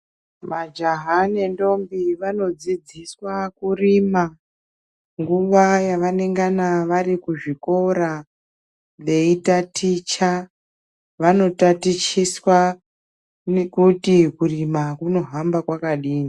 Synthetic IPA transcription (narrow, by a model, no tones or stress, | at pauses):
mad͡ʒaɦanendo̞mbiʋano̞d͡zid͡ziswakurima | ŋɡuʋajaʋaneŋɡanaʋarikuʐiko̞ɾa | ʋe̞itatit͡ʃa | ʋano̞tatit͡ʃiswa | nekutikurimakuno̞ɦambakwakaɗiːni